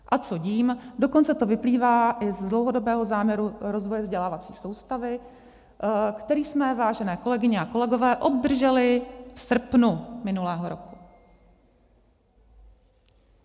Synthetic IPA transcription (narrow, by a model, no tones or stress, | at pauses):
ʔat͡so̞ɟiːmdo̞kont͡sɛt̪o̞vɪpliːvaːʔɪzdlowɦo̞do̞bɛːɦo̞zaːmɲɛɾuɾo̞zvojɛvzɟɛlaːvat͡sḭːso̞wst̪avɪ | kt̪ɛɾiːsmɛvaːʒɛnɛːko̞lɛɡɪɲɛako̞lɛɡo̞vɛːʔo̞b̚d̪r̩ʒɛlɪfsr̩pnumɪnulɛːɦo̞ɾo̞ku̥